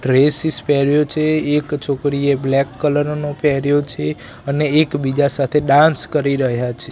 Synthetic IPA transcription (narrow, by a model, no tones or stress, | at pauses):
ɖɾesispɛɾjot͡ʃʰeːkt͡ʃʰokɾieblɛkːələɾnopɛɾjot͡ʃʰe | əneːkbid͡ʒasat̪ʰeɖãnskəɾiɾəɦjat͡ʃʰe